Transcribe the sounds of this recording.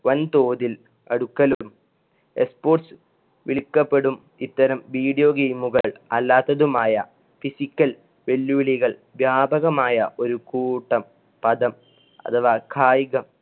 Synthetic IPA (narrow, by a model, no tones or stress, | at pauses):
ʋɐnt̪oːðil | ɐɽukːɐlum | espo̞ːʈsɨ | ʋiɭikːɐpːe̞ɽum | it̪ːɐɾɐmʋiːɽijo̞ːɡejmuɣɐɭɐlːaːt̪ːɐðumaːjɐ̰ | fisikʲːɐl | ʋe̞lːuʋiɭiɣɐɭʋjaːbʱɐɣɐmaːjɐʔo̞ɾukuːʈːɐm | pɐd̪ɐm | ɐ̰t̪ʰɐʋaːkʰaːjiɣɐm